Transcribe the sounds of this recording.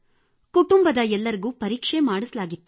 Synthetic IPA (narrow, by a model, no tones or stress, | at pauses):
kuʈumbɐd̪ɐɛlːɐɾiɡuːpɐɾiːkʂemaːɽuslaːɡit̪ːu